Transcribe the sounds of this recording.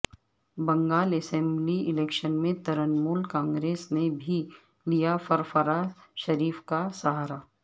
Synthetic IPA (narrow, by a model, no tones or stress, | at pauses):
bɐ̃ŋɡaːlɛsɛ̃ːmbliɪleːkʃənmẽt̪ɐɾənmuːlkãːŋɡɾeːsnebʱi | lijafɐɾfəɾaʃɐɾiːfkasɐɦaːɾaː